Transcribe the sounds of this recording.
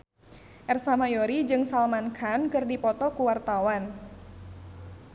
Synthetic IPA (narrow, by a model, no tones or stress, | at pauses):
ʔɛrsamajɔɾid͡ʒɨŋsalmankʰankɨrdipɔt̪ɔkuwart̪awan